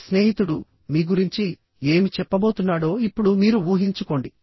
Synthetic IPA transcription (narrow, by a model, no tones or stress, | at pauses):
sne̞ːɦit̪uɽu | miːɡuɾiɲt͡ʃi | e̞ːmit͡ʃɛpːɐbo̞ːt̪unːaːɽo̞ːipːuɽumiːɾuuːɦiɲt͡ʃuko̞ːɳɖi